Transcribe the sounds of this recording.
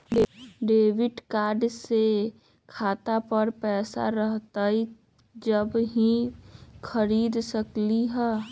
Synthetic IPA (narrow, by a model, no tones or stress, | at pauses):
ɖeːʋɪʈkaːɾɖse | kʰaːt̪apəɾpɛːsa̰ɾəɦt̪ai | d͡ʒəbɦĩkʰəɾiːd̪səkliɦɛː